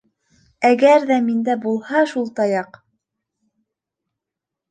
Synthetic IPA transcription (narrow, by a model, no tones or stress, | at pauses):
æɡæɾðæmind̪æbulˠhɑʃulˠt̪ɑjɑq